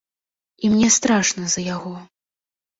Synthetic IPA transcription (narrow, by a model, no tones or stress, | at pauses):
imnʲɛst̪ɾaʂnɐzɐjaɣɔ